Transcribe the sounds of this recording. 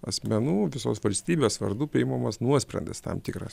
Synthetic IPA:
ɐsʲmʲɛnuːʋʲɪso̰ːsʋɐlʲsʲt̪ʲiːbʲeːsʋɐ̰ɾd̪uːpʲɪɪmɐmɐsnuɔsʲpʲɾʲɛ̰nd̪ʲɛst̪ɐ̰mt̪ʲɪkɾɐ̰s

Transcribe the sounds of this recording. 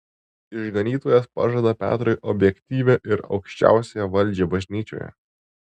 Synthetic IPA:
ɪʒɡɐnʲiːt̪oːjɛspɑ̰ʒɐd̪ɐpʲæ̰ːt̪ɾɔɪʔɔbʲjɛkʲt̪ʲiːʋʲeʔɪɾɒ̰ʊkʃʲt͡ʃʲæ̰ˑʊsʲejɛʋɐlʲˑd͡ʒʲebɐʒʲnʲiːt͡ʃʲo̰ːjɛ̰

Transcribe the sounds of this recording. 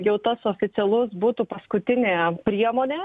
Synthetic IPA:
jɛʊt̪ɐsoːfʲɪt̪ʲɛlˠʊsbuːt̪upɐskʊt̪ʲɪnʲeːpʲɾʲiɛmoːnʲeː

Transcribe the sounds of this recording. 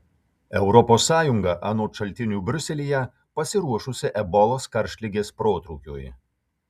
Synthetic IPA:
ɛʊɾɔpoːsːɑːjʊŋɡɐʔɑːnoːʃɐlʲt̪ʲɪnʲuːbʲɾʲʊsʲɛlʲijɛ | pɐsʲɪɾuɔʃʊsʲɪʔɛbɔlˠoːskɐɾʲʃʲlʲɪɡʲeːspɾoːt̪ɾuːkʲo̰ːj

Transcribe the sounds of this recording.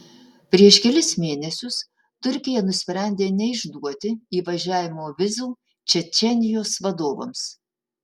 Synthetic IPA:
pʲɾʲiɛʃkʲɛlʲɪsmʲeːnʲɛsʲʊs | t̪ʊɾʲkʲɪjɛnʊsʲpʲɾʲæˑnʲd̪ʲeːnʲɛɪʒd̪uɔt̪ʲɪiːʋɐʒʲæːʋʲɪmoːʋʲɪzuː | t͡ʃʲɛt͡ʃʲɛnʲɪjoːsʋɐd̪oːʋo̰ms

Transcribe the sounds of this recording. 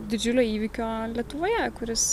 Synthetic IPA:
d̪ʲɪd͡ʒʲʊlʲoːiːʋʲikʲoːlʲiɛt̪ʊʋoːjɛkʊɾʲɪs

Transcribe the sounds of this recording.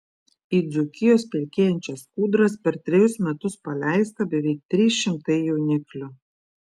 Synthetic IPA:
iːˑd̪zʊkʲɪjoːspʲɛlʲkʲeːjɛnʲt͡ʃʲɛskuːd̪ɾɐspʲɛɾt̪ʲɾʲɪjʊsmʲɛt̪ʊspɐlʲæˑɪst̪ɐbʲɛʋʲɛɪk̚t̪ʲɾʲiːsʃʲɪmt̪ɐɪjɛʊnʲɪklʲʊ

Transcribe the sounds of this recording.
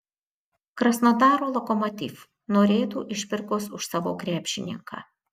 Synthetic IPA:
kɾɐsnod̪ɑːɾoːlˠɔkɔmɔt̪ʲḭːf | noːɾʲeːt̪uːʔɪʃʲpʲɪɾkoːsʊʃsɑːʋo̰ːkɾʲæːpʲʃʲɪnʲɪ̰ŋkʰɑ̰ː

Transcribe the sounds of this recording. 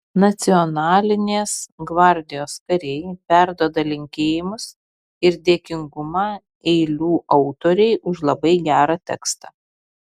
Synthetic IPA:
nɐt̪sʲɪɔnɑːlʲɪnʲeːsɡʋɑˑɾʲd̪ʲɪjoːskɐɾʲejpʲæɾd̪oːd̪ɐlʲɪŋʲkʲeːjɪmʊs | ɪɾd̪ʲeːkʲɪŋɡʊmɑː | ɛɪlʲuːʔɒʊt̪oːɾʲɛɪʔʊʃlˠɐbɐɪɡʲæːɾɑːt̪ʲɛ̰kst̪ɑː

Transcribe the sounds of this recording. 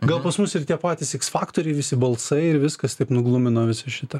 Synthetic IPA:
ɡɐlˠpɐsmʊsɪrt̪ʲiɛpɑːt̪ʲɪsɛksfɑːkt̪oːɾʲɛɪʋʲɪsʲɪbɐlˠsɐɪɪɾʋʲɪskɐst̪ɐɪpnʊɡlˠʊmʲɪnoːʋʲɪsɐʃʲɪt̪ɐ

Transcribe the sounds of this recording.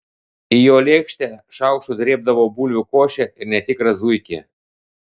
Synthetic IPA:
ijolʲekʃt̪ʲɛʃawʃud̪ɾʲeb̚d̪aʋɔbulʲvʲukoʃɛirnɛt̪ʲikɾazujkʲḭ

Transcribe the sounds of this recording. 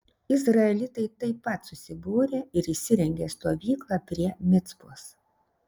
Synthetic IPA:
ɪzɾɐɛlʲɪt̪ɐɪt̪ɐɪpːɐt̪sʊsʲɪbuːɾʲeːɪɾɪʃsʲɪɾʲɛŋʲɡʲeːst̪oːʋʲiːklˠɑːpʲɾʲiɛmʲɪt̪spuːs

